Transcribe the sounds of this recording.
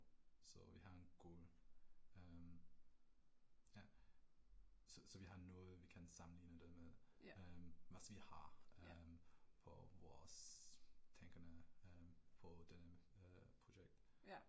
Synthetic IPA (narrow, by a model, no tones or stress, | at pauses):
sɔ̰ʋiɦɑ̈enɡ̥uːl | ɛm | jæ | sɔsɔʋiɦɑ̈nɔːðˠəʋikʰænsɑ̈mn̩liːnəd̥ɛmeðˠmʋɑsʋihɑmpʰɔ̰ʋɔːs | tʰɛŋɡ̥ɐnə | pʰɔd̥ɛnəpʰʁʊɕeɡ̥̚d̥